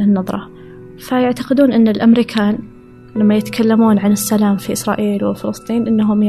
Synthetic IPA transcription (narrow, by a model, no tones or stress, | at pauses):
ɪnːɑðˤɾˤɑ̰ | fajaʕt̪aqɪd̪uːnʔɪnːalʔamɾiːkʰaːn | lamːajɪt̪ḁkʰalːamuːnʕanɪsːalaːmfiʔɪsɾˤɑ̰ːʔiːlwɪlfɪlɨsˤt̪ˤiːnʔɪnːaɦʊm